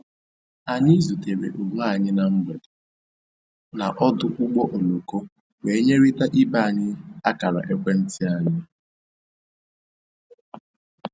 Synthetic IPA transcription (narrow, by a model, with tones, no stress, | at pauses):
a˨ni˦zu˨te˨ɾḛ˨ʔo˨ŋ˦a˦˨ɲɪ˦na˨m̩˦ɡ͡be˨dʊ˨ | na˨ʔɔ˦dʊ˦ʔʊ˦ɡ͡bɔ˦ʔo˨lo˨ko˦ | we˨˦ɲe˦ɾi˦ta˦ʔɪ˦ba˦˨ɲɪ˦a˦ka˨ɾa̰˨ʔe˦kʷe˦n̩˦tɪ˦a˨ɲɪ˦